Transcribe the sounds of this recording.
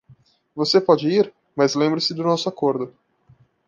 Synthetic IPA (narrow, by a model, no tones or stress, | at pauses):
vosepɔd͡ʒɪiɾ | mɐzlẽmbɾɐsɪd̪ʊnɔsʊakoɾd̪ʊ